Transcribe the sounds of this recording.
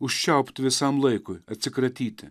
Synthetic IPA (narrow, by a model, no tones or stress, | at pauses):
ʊʃʲt͡ʃʲaʊpʲt̪ɪʋʲɪsɑmlˠɐɪkʊjɐt̪sʲɪkɾɐt̪ʲiːt̪ʲɪ